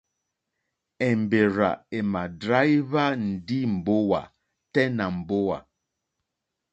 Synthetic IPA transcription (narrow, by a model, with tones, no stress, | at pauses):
ɛ˨m˨be˨ɾa̰˨e˨ma˨dɾa˦jβa˦n̩˨di˦m̩˨bo˦wa̰˨ | tɛ˦na˨m̩˨bo˦wa̰˨